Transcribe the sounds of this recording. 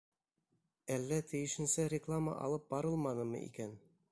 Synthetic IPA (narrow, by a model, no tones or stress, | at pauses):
ælːæt̪ʰɘ̆jɘ̆ʃɘ̆nsæɾʲɪklˠamə̰ʔɑ̰lˠɤp̚bɑɾɤlˠmɑnɤmɤ̰ʔḭkæn